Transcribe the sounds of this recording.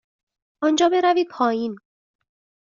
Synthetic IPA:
ʔɒːnd͡ʒɒːbe̞ɾæviːd̪̚pʰɒːjiːn

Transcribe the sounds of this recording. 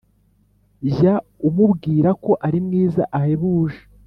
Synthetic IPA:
ʒaumubɡiːɾako̞ʔaɾimŋiːza̰ʔahe̞βuːʒe̥

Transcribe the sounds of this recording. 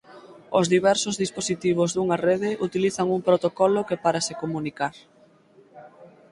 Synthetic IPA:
ozðiβɛɾsozðisposit̪iβ̞ozðuŋareð̞eʔut̪iliθaŋuŋpɾot̪okɔlokepaɾasekomunikaɾ

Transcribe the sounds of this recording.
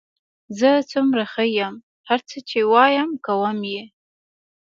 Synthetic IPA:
zət͡sʰumɾaχəjam | haɾt͡sʰət͡ʃʰewɑjamkawəmje

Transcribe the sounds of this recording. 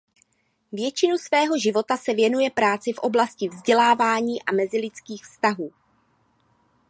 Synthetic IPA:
vjɛt͡ʃɪnusvɛːɦo̞ʒɪvo̞t̪asɛvjɛnujɛpɾaːt͡sɪfʔo̞̰blascɪvzɟɛlaːvaːɲiːʔamɛzɪlɪt͡skiːxfst̪aɦuː

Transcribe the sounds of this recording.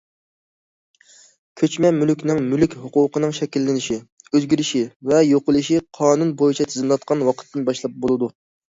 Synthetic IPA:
kʲʰøt͡ʃmɛmylykʲnɪŋmylykʲhʊquːqənɨŋʃɛkʲilːɪnɪʃiøzɡʲiɾɪʃivɛjoqəlˠɨʃiqʰɑːnunbojit͡ʃʰɛt̪ʰɪzɪnlˠɑt̪̚qʰɑnwɑqʰə̥t̪ːɨnbɑʃlˠɑp̚bolˠɨd̪u

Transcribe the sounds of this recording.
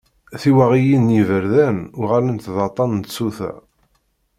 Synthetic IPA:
θiwæʁijinːivəɾðænʊʁælənt̪ðɑt̪ˤːɑnnt̪suθæ̰

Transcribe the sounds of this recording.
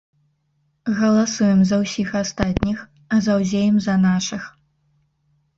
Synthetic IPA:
ɣɐlˠasujɛmzɐwsʲixast̪at̪ʲnʲix | ɐzɐwzʲejɛmzɐnaʂɨx

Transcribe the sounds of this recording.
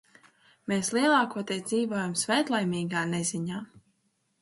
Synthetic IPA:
meːslˠiɛlˠaːkuɔt̪ɛd̪ziːvoɔjamsvɛːt̪lˠajmiːɡaːnezʲiɲaː

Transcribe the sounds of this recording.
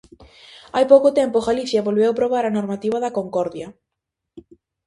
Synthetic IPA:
ajpowkʊt̪ɛmpʊɣaliθjɐβolβewpɾoβaɾɐnoɾmat̪iβɐðɐkoŋkɔɾðjɐ

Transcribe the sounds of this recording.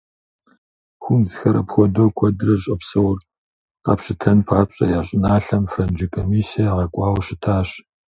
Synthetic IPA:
xʷʊnzɨxɐɾɐ̰pxʷɔdoːkʷʰɔdɨrɐɕʼɐpsɐwr | qɐ̰pɕɪtʰɐnpʰaːpɕʼɐ̰jaːɕʼɪnaːɬɐmfrɐnd͡ʒikʰomiːsijaʁɐkʷʼɑːwɕɪtʰaːɕ

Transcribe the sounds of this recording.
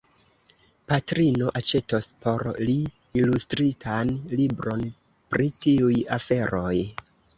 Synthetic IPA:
patɾino̞ʔat͡ʃe̞tospʰo̞ɾliː | lustɾitʰanlibɾo̞n | pɾitiujafe̞ɾo̞j

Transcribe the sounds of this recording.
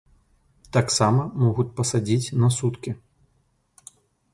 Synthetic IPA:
t̪aksamɐmɔɣut͡sʲpɐsad͡zʲit͡sʲnɐsut̪kʲi

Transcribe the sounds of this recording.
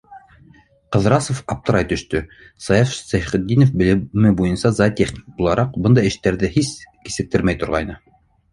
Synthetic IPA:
qɤ̆ðɾɑsofɑp̚t̪ɤ̆ɾɑjt̪ɵ̆ʃt̪ɵ | sɑjɑfsæχɘ̆d̪ːinofbɘ̆lɘ̆mɘbujɤnsɑzɑt̪ʲeχnʲi̥k̚bulˠɑɾʔɑqbɤnd̪ɑɘ̆ʃt̪æɾðɘhiski̥sɘ̆k̚t̪ɘɾmæjt̪ŏɾʁɑ̰jnɤ

